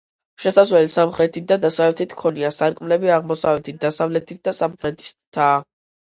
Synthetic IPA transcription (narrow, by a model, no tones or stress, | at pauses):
ʃɛsazvlɛlisamχɾɛt̪ʰit̪̚d̪ad̪asavlɛt̪ʰit̪ʰkʰɔniasaɾkʼmlɛbiaʁmɔsavɛt̪ʰit̪̚d̪asavlɛt̪ʰit̪̚d̪asamχɾɛt̪ʰi̥st̪ʰːa